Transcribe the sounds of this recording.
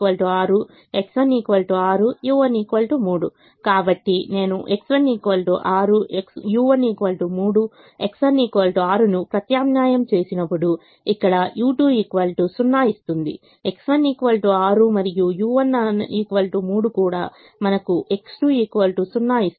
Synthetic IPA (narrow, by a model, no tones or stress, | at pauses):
ʋɐlʈuaːɾu | e̞ksʋɐniːkʋɐlʈuaːɾujuːʋɐniːkʋɐːlʈumuːɽu | kaːbɐʈːine̞ːnuʔe̞ksʋɐnːiːkʋɐlʈṵʔaːɾueksjuːʋɐniːkʋɐlʈumuːɽu | e̞ksʋɐniːkʋɐːlʈuaːɾunupɾɐt̪jaːmnaːjɐmt͡ʃe̞ːsinɐpːuɽu | ikːɐɽɐjuːʈuːiːkʋɐlʈusunːaːist̪und̪ḭ | e̞ksʋɐniːkʋɐlʈuaːɾumɐɾijujuːʋɐnːɐniːkʋɐlʈumuːɽukuːɽaː | mɐnɐkuʔe̞ksʈuiːkʋɐlʈusunːaːist̪